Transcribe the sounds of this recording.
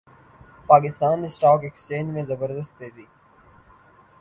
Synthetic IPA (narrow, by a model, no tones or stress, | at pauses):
paːk̬ɪst̪aːnɪsʈaːkekst͡ʃẽːd͡ʒmẽzɐbəɾd̪əst̪ːeːziː